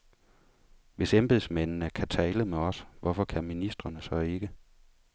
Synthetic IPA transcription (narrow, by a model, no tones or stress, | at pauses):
ʋe̝semb̥e̝ðˠsmen̰nəkʰæt͡sʰɛːləmeɒ̽sʋɒfɒ̽kʰæminisd̥ʁɐnəsɒ̽e̝ɡ̥ə